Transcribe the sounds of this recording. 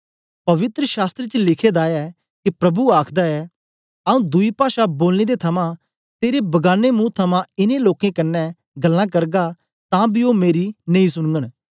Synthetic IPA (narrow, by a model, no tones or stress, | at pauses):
pɐʋɪt̪ɾəʃaːst̪ɾet͡ʃlɪkʰeːd̪aːɛ | kipɾɐbuaːkʰd̪aɛː | ɐũːd̪ʊipaːʃaboːlneːd̪et̪ʰɐmã | t̪eːɾebɐɡaːnemũt̪ʰɐmãɪnẽloːkẽkɐnːɛ | ɡɐlːãːk̬ɐɾɡa | t̪ãbʱiomeːɾinɐĩsʊɽ̃ɡəɽ̃